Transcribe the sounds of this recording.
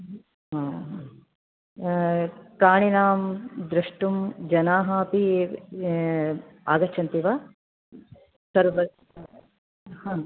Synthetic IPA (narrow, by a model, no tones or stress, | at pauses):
ɦãː | pɾaːɳinaːmd̪ɾɐʂʈumd͡ʒɐnaːɦaːpi | aːɡɐt͡ʃʰːɐnt̪iʋaː | sɐɾʋɐ | hãː